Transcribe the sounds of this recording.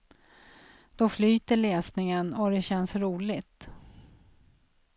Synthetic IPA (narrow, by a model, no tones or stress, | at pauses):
d̪̥ɔflyːt̪əɭɛːsnɪŋənɔd̪ɛɕɛnsɾuːlɪt̪